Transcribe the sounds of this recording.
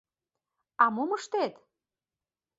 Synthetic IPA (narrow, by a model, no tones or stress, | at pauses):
ɑmoməʃt̪et̪